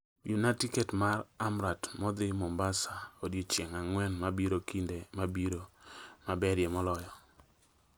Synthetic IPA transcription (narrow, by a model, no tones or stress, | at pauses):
junatiketmaɾamɾatmɔd̪ɪmɔmbasaodjit͡ʃjeŋaŋwɛnmabiɾokindemabiɾomabɛɾjemɔlɔjɔ